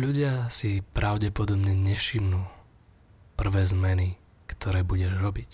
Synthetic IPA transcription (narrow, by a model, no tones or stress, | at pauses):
ʎuɟɪasipɾaʊɟɛpɔd̪ɔbɲɛɲɛfʃimnuː | pr̩ʋɛːzmɛni | kt̪ʰɔɾɛːbuɟɛʒɾɔbic